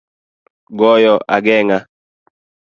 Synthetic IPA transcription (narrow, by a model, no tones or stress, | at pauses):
ɡɔjɔʔaɡɛŋa